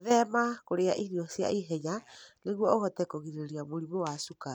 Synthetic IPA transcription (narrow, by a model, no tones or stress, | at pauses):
ðɛmakoɾeaʔiniɔsia̰ʔiɦɛɲaneɣwɔoɣɔtɛkoɣiɾeɾiamoɾimowasuka